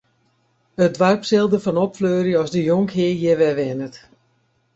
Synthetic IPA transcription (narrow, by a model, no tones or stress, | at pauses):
ədʋarpsɪlˠdəfɔnɔpfløːɾjəɔsdəjoŋkɦɪəjɪʋɛʋɪnət